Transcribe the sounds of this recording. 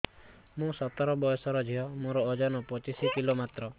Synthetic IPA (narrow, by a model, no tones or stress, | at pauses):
mũsɔt̪ɔɾɔbɔjɔsɔɾɔd͡ʒʱiɦɔmoɾɔːd͡ʒɔnɔpɔt͡ʃisikilomat̪ɾɔ